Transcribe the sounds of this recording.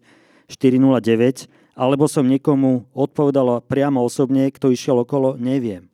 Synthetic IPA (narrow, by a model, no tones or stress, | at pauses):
ʃt̪iɾinulaɟɛʋɛc | alɛbɔsɔmɲɛkɔmuɔt̪̚pɔʋɛd̪alɔpɾɪamɔɔsɔbɲɛkt̪ɔiʃɪɛlɔkɔlɔɲɛʋɪɛm